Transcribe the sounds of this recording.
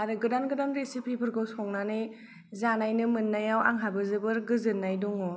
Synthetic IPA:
aɾɯɡɯdanɡɯdanɾesipʰipʰɯɾɡɔwsɔŋnanɯj | zanajnɯmɯnːajawa̰ŋɦabɯzɯbɯɾɡɯzɯnːajduŋɔ

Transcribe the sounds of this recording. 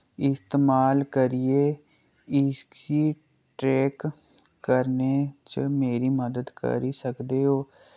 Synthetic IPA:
ɪst̪eːmaːlkəɾieː | ɪkiː | ʈɾeːkː | əɾneːt͡ʃmeːɾiːməd̪əd̪kə̰ɾiːsəkd̪eːɦoː

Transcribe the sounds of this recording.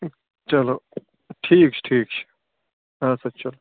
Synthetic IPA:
t͡ʃɐloː | ʈʰiːk̚t͡ʃʰʈʰiːk̚t͡ʃʰ | asɐt͡ʃɐlo

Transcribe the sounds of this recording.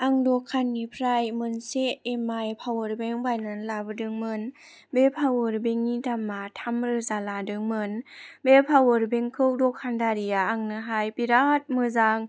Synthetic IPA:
aŋdɔkʰːanːipʰɾajmɯnseːmajpʰawɯɾbeŋbajnanlabɯdɯŋmɯn | bepʰawɯɾbeŋːitamatʰamɾɯzaladɯŋmɯnbepʰawɯɾbeŋkʰɯwdɔkʰːandaɾijaːŋnɯɦajpiɾat̚mɯzaŋ

